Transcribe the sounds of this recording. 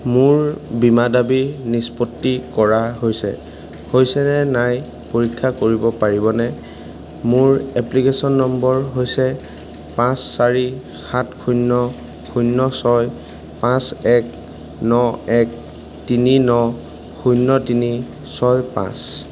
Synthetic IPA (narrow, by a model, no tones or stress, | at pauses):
mʊɹbimadabinispotːikɔɹaɦojsɛ̰ | hojsɛnɛnaj | poɹikʰːakoɹibɔpaɹibɔnɛ | mʊɹɛplikesɔnːɔmbɔɹɦojsɛ | pãsːaɹi | xatkʰunːɔ | kʰujnːɔsɔj | pãsɛk̚ | nɔɛk̚ | tininɔ | xʰujnːɔtini | sɔjpã̰s